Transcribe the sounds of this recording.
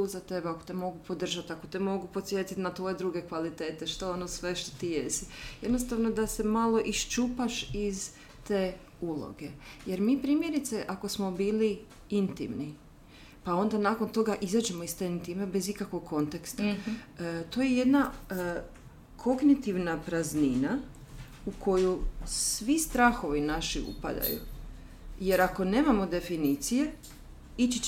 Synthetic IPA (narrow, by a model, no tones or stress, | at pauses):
zat̪e̞bako̞̥t̪emo̞ɡupo̞d̪r̩ʒat̪ako̞t̪emo̞ɡupo̞t̪sje̞ːt̪it̪nat̪ʋo̞jed̪ɾuɡe̞kʋalit̪e̞ːt̪e̞ʃt̪oonosʋe̞ʃt̪o̥t̪ijesije̞d̪no̞st̪aʋno̞d̪ase̞malo̞ʔiʃt͡ʃupaʃiz | t̪e̞ː | ulo̰ɡe̞je̞ɾmiːpɾiːmje̞ɾit̪se̞ʔako̞smo̞biːli | int̪ḭmni | pao̞nd̪anako̞nt̪o̞ɡaʔizad͡ʒe̞moist̪e̞int̪imebe̞zikakʋo̞ɡkʰo̞nt̪ekst̪a | t̪o̞ːje̞je̞d̪na | kʰo̞ɡnit̪iʋnapɾaznina | ukʰo̞jusʋist̪ɾaːxo̞ʋinaʃḭṵpa̰d̪a̰jṵ | je̞ɾako̞ne̞ːmamo̞d̪e̞finiːt̪sije̞ | it͡ʃi